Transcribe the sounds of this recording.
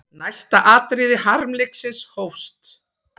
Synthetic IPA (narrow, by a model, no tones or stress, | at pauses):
najst̪aʔaːt̪ɾɪːðɪɦaɾmlejksɪnshowfst̪